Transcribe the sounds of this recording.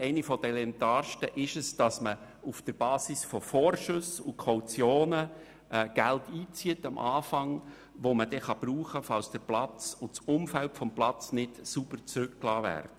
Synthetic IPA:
ɛɪnifɔd̥ɛlɛmt̪ɑːɾʃtəʔɪʃəsd̥ɑsmə | ufd̥əɾb̥ɑːsisfɔfoːɾʃɵsʊkʰɔwt͡sjoːnə | ʔɛɡ̥æltiːt͡siətɑmʔɑːfɑŋ | ʋoməd̥ɛχɑb̥ɾuːχəfɑlsd̥əɾplɑt͡sʊt͡sʊmfæltfɔmplɑt͡snɪtsubəɾt͡sɾʉkklɑːvæ̰ːɾdə

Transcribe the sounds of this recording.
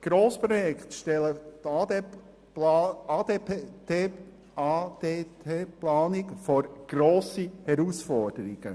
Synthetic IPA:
ɡ̥ɾoːspɾɔjɛkχt̪ʃtɛlət̪ː | ɑːdee | ɑdetʰeːplaːnɪkfoɾɡ̥ɾoːsihɛɾusfɔɾd̥əɾiɡ̥ə̰

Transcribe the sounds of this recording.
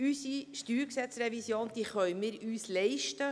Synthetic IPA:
ysiʃtyːɾksɛt͡sɾevisjoːnd̥̪iːχœɥmɪːɾyːslɛɪʃtə

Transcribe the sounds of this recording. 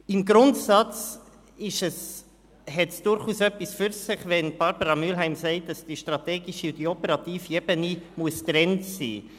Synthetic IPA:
ɪmɡɾʊntsɑt͡s | ɪʃəs | hɛtsd̥ʊɾχuːsœpːisfyɾsɪχvɛnb̥ɑɾbəɾɑmylɦæɪmsɛɪt̚d̥ɑsd̥iʃtɾɑtɛːɡiʃiʊdiɔpəɾɑtiːfiɛbənimuəstɾɛntsḭː

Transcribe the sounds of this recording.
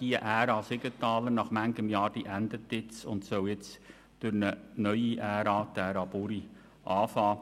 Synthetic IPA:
d̥iəʔæːɾɑːsɪɡətɑːlənɑχmæŋɡəmjɑːɾd̥iʔænd̪ətɪt͡sʊ̰ntsœwjɪt͡s | d̥ʊɾnənœʏiʔæːɾɑːt̪æːɾɑːbuɾi | ʔɑːfɑː

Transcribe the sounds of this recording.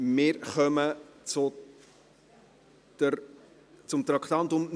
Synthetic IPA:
mɪːɾχœmət͡sʊ | d̥ə | t͡sʊmt̪ɾɑkt̪ɑnt̪ʊmn

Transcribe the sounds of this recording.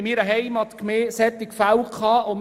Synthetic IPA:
ɪmiːɾəɦɛjmɑt̪kmeːsɛt̪ɪkfawkʰχɑːom

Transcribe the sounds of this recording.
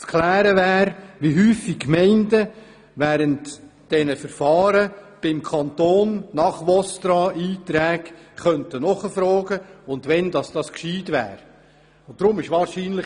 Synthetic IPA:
t͡skʰlæːɾəʋæːɾʋiɦyːfikkmɛɪndə | ʋæːɾəntd̥ɛnəfəɾfɑːɾəb̥ɪmkʰɑnt̪oːnːɑχʋɔst̪ɾɑiːtɾɛːɡχœntənɔχəfɾɔːɡəʊndʋɛndɑsd̥ɑskʃiːdʋæ̰ːɾ | ʊnd̥ɾʊmɪʃʋɑːɾʃiːnlɪ

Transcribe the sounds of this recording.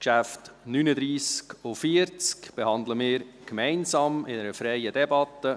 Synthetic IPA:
kʃæftnynəd̪ɾiːskofiəɾt͡skb̥ehɑnd̪ləmɪːɾkmɛɪnzɑːmɪnəɾəfɾɛjədɛbɑtːə

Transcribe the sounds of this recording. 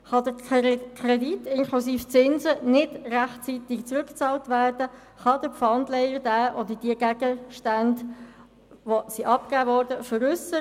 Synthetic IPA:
χɑdəkʰreditːɪŋkʰlusiːft͡sɪnzənɪdræχtt͡siːt̪ɪɡt͡sɾʉkt͡sɑːltʋæːrd̥ə | χɑd̥əpfɑndlɛɪəɾd̥æːʔodəɾd̥iəɡæɡ̥əʃtænd | ʋosiʔɑp̚kæːvɔːɾd̥əfəɾʏsə

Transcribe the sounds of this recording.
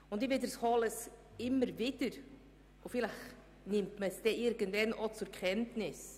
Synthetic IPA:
ʊndɪvɪdəshɔləs | ɪməɾvɪd̥əɾ | ʊfɪlax | nɪmtməsd̥ɛʔɪɾɡəndvɛnʔɔt͡sʊɾkχɛntnɪs

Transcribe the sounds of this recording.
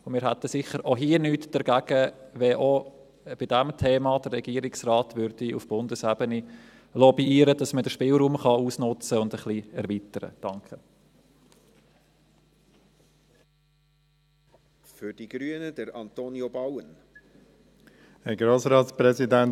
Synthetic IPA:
ʊmɪːɾɦæt̪əsɪχəɾʔoɦiənyːtd̥əɾɡ̥æɡ̥əʋɛʔo | b̥id̥æmtʰeːmɑd̥ərːɛɡ̥iːəɾɪksrɑːt̪ʋʏɾd̥iṵfb̥ʊndəsæbəni | lɔbiiːəɾəd̥ɑsmədəʃpɪːlɾuːmχɑuːsnʊt͡səʊnd̪əχliɛɾʋitəɾə̰d̥ɑŋkχə | fʏd̥iɡ̥ɾyənədəɾɑnt̪onjobawən | əɡɾoːsɾɑːtspɾɛsidæn

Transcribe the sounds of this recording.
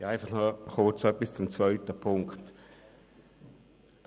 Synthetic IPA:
aɪfaχnɔχʊːt͡sœpɪst͡sʊmt͡svœʏtəpʰʊŋkt

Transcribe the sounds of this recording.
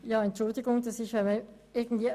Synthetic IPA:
jɑːɛntt͡ʃʊldɪɡʊŋd̥ɑsɪçɛmɛ | ɪɐɡn̩d̥viː

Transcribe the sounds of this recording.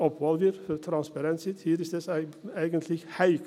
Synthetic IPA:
ɔpʋɔlʋəɾfɔɾt̪ʰɾɑnspɑɾɛnsɪt̪hiːɾɪsd̪esæɪæɪɡənt̪ʰlɪçhæɪk

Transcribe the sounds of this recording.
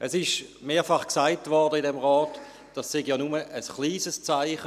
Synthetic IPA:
ʔɛsɪʃmeːɐfɑχksaɪtvɔʁdəɪdɛmʁɔːt | d̥ɑsːeɡjɑnuməʔəsχliːzəst͡saɪχə

